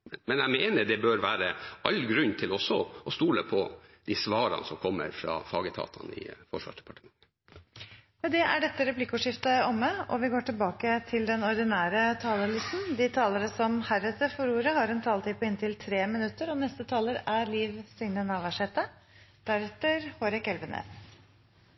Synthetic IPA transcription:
mɛnæɪmeːnəɖɛbøːɾʋæːɾəɑlɡɾʉnːt̪ʰɪlɔsɔʔɔst̪uːləpʰɔd̪ɪsʋɑːɾɑ̰nsɔmkʰɔmːə̰ɾfɾɑ̰fɑːɡət̪ʰɑ̰ːt̪ʰɑ̰nɪ̰fɔʂʋɑ̰ːʂdɛ̥pɑʈəmɑŋə | ɛd̪ɛʔæ̰ɖɛt̪ːəɾɛplɪkːʊːʂɪft̪əɔmːəɔ̰ʋɪɡoːʈɪlbɑːkət̪ʰɪld̪ɛnɔɾd̪ɪnæːɾət̪ʰɑːləlɪst̪n̩d̪ɪt̪ʰɑːləɾəsɔmhæɾəsəfɔɾuːɾəhɑɾɛnt̪ʰɑːlt̪ɪpəɪnt̪ʰɪlt̪ʰɾeːmɪnʉt̪ːəɾɔnɛst̪ət̪ʰɑːləɾæɾliːʋsʏŋnənɑʋæʂeːt̪ə | d̪̥æɾɛt̪əɾhoːɾɛkɛlʋənḛːs

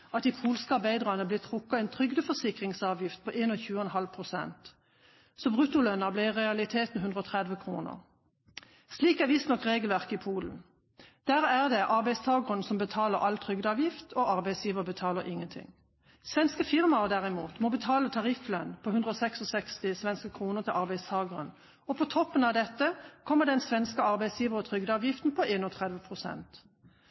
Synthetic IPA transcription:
ɑt̪iːpʰuːlskəɑʁbæɪd̪ʁɑnəblɪt̪ʰʁʊkːɑɛnt̪ʰʁʏɡd̪əfɔsɪkʁɪŋsɑːʋjɪft̪̚pʰɔʔeːnɔːçʉːəɛnɦɑlpʰʁʊsɛ̰nt̪ | sɔbʁʉt̪ʊlœnɑbliːʁɛɑlɪt̪ʰeːt̪nhʉnd̪ʁɔːt̪ʰʁɛd̪ʋəkʰʁṵːnə̰ʁ | sliːkæʋɪst̪nɔkʁeːɡəlʋæʁkɪpʰuːln̩ | d̪̥æːʁæʁd̪ɛʔɑʁbæɪst̪ʰɑːɡəʁənsɔmbət̪ʰɑːləʁʔɑlt̪ʰʁʏɡd̪əɑːʋjɪft̪ʰoʔɑʁbæɪsjiːʋəʁəbət̪ʰɑːləʁʔɪŋːənt̪ʰɪ̰ŋ | sʋɛnskəfɪʁmɑʁd̪æʁɪmuːt̪mɔbət̪ʰɑːlət̪ʰɑʁɪflœnpʰɔhʉnd̪ʁəɔːsɛksɔsɛkst̪ɪsʋɛnskəkʰʁuːnəʁt̪ʰɪlʔɑʁbæɪst̪ʰɑːɡəʁən | ɔpʰɔt̪ʰɔpːənɑʋd̪ɛt̪ːəkʰɔmːəʁd̪ɛnsʋɛnskəɑʁbæɪsjiːʋəʁət̪ʰʁʏɡd̪əɑːʋjɪft̪n̩pʰɔʔeːnɔt̪ʰʁɛd̪ʋəpʰʁʊsɛ̰nt̪

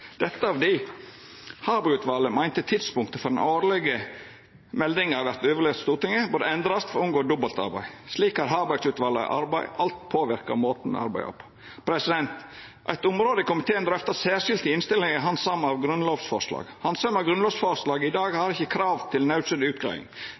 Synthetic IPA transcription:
d̪̥ɛt̪ːəɑʋd̪ɪ | hɑːbɑʉːt̪ʋɑlːəmæɪnt̪ət̪ʰɪd̪spʊŋkt̪əfɔɾd̪ɛnoːɾlɛɡə | mɛld̪ɪŋɑʋæɾt̪øːʋəɾɭɛːʋt̪st̪uːɾt̪ɪŋəbʉːɾd̪əɛnd̪ɾɑst̪fɔɾʊmɡoːd̪ʊbɑlt̪ɑ̰ɾbæ̰ɪsliːkhɑɾɦɑːbɑɪsʉːt̪ʋɑlːə̰ʔɑɾbæɪʔɑlt̪pʰoːʋɪɾkɑ̰moːt̪n̩mɛ̰ɑ̰ɾbæ̰ɪɔ̰pː | pʰɾɛsɪd̪ɛnt̪ | ʔæ̰ɪt̪ʊmɾoːd̪əɪkʊmɪt̪ʰeːənd̪ɾɛft̪ɑsæːʂɪlt̪ɪɪnst̪ɪlːɪŋəɦɑnsɑmːɑʋɡɾʉnloːʋsfɔʂlɑ̰ːɡ̥hɑnsœmɑʋɡɾʉnloːʋsfɔɾʂlɑːɡɪd̪ɑːɡhɑɾɪçːəkʰɾɑːʋt̪ʰɪlnɑʉsəd̪ʉːt̪̚ɡɑ̰ːʋɪ̰ŋ

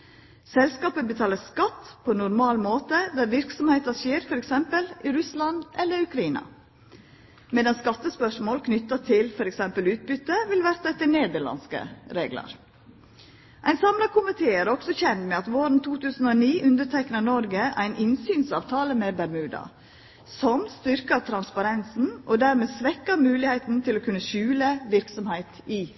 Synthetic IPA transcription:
sɛlskɑːpəbət̪ʰɑːləskɑt̪pʰoːɛnʊɾmɑːlmoːt̪əd̪æɾʋɪɾksɔmheːt̪ɑʂeːɾfɔɾɛksɛmpəlʔiɾʉslɑnd̪ʔɛlːəɾʉkɾɑiːnɑ̰ | meːd̪ɑnskɑt̪ːəspœʂmoːlkʰnʏt̪ːɑt̪ʰɪlfɔɾɛksɛmpəlʉːt̪̚bʏt̪ːəʋɪlʋæɾt̪ɑt̪ɪneːd̪əɭɑ̰nskə̰ɾeːɡlɑ̰ɾ | ʔæɪnsɑmlɑkʊmɪt̪ʰeːæɾɔksɔçɛnt̪mɛːɑt̪ʋoːɾn̩t̪ʰuːt̪ʉːsn̩oːniːʔʉnd̪əʈʰɛknənɔɾɡəʔæ̰ɪnʔɪnsyːnsɑ̰ːʋt̪ʰɑːləmɛbæɾmʉːd̪ɑ̰ | sɔmst̪ʏɾkət̪ʰɾɑnspɑɾɛnsn̩ʔoːd̪æɾmɛːsʋɛkːəɾmʉːlɪhæɪt̪n̩t̪ʰɪloːkʰʉnːəʃʉːləʋɪɾksɔmhæɪt̪ɪ

